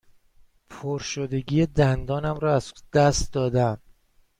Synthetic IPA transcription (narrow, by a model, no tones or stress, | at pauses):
pʰoɾʃod̪e̞ɡiːjed̪ænd̪ɒːnæmɾɒːæz̥d̪æst̪d̪ɒːd̪æn